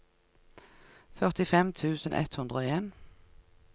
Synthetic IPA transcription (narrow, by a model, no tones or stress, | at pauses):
fœʁt̪ɪfɛmt̪ʰʉːsənʔɛ̰t̪hʉnd̪ʁəoːeːn